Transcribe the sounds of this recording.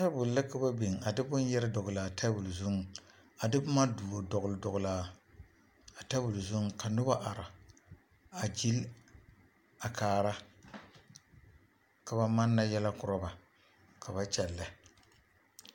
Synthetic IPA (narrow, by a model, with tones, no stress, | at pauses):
ta˦bʊ˨lla˦ka˦ba˦be˨ŋ˨a˨dɪ˦bʊ˦n˦jɛ˦ɾɪ˦dɔ˨ɣla˨tʰa˦bu˨lzʊ˦ŋ˨ | a˨dɪ˦bʊ˦ma˦duː˨o˨dɔ˨ɣʊ˨ldɔ˨ɣʊ˨la˨ | a˨ta˦bu˨lzu˦ŋ˨ka˨nʊ˦ba˦ʔa˨ɾa˨ | a˨d͡ʒi˦l | a˨kaː˨ɾa˦ | ka˨ba˦ma˦nːa˦jɛ˦la˦kʊ˨ɾa˦ba˨ | kʰa˨ba˦t͡ʃɛ˨lːa˨